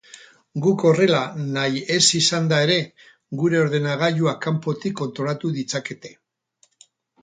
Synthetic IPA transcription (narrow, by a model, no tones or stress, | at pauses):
ɡuko̞re̞lanaje̞sisand̪ae̞ɾe̞ | ɡuɾe̞o̞ɾðe̞naɣ̞aʎuakampo̞t̪ikːo̞nt̪ɾo̞lat̪uðit͡sake̞t̪e̞